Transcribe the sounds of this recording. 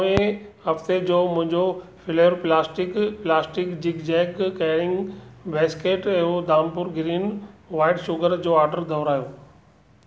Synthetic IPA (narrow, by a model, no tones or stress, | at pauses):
ẽɦɐft̪ed͡ʑoːmʊ̃ɦɪ̃ɲd͡ʑofɪleːɾplaːsʈɪkplaːsʈɪkd͡ʑɪɡd͡ʑɛːkːɛːɽɪ̃ŋɡbɛːskeːʈɛɦod̪aːmpʊɾɡɾiːnʋaːɪɖʃʊɡəɾd͡ʑoːaːɾɖəɾd̪ʱɐʊɾaːjoː